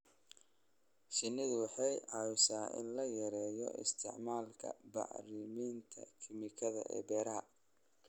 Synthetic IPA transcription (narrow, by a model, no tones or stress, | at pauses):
ʃɪnːɪðʊwɑħɑjʕɑwsaːʔɪ̰nlɐjɐɾɛːjɔ̰ʔɪ̰st̪ʰɪ̰ʕmaːlkʰɐ̰bɑ̰ʕrɪmiːnt̪ʰɐ̰kʰɪmɪkʰɐðɐ̰ʔɛ̰ːbɛːɾɐɦɐ